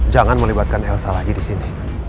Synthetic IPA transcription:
d͡ʒaŋanməlibat̪̚kanɛlsalaɡidisini

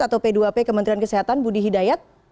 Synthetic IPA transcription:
at̪awpeduapekəmənt̪ɾiankəseɦat̪anbudiɦidajat̪̚

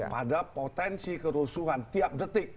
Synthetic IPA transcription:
pa̰dapot̪ɛnsikəɾusuɦant̪iap̚dət̪ɪk̚

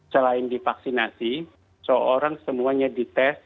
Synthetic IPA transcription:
səlaɪndifaksinasi | səoɾaŋsəmuaɲadit̪ɛs

